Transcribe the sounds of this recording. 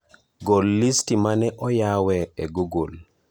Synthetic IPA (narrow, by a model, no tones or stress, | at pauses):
ɡolːistimanɛʔɔjawɛɛɡuɡol